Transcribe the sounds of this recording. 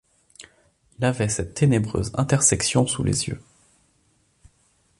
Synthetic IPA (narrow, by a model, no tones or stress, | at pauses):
ɛlavɛsɛt̪ʰːenebʁø̰zɛ̰̃t̪ɛʁsɛksjɔ̃sulḛzjø̰